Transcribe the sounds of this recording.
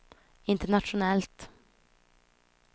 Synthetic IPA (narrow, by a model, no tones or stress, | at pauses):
ɪnt̪əɳat̪ʂʊnɛlt̪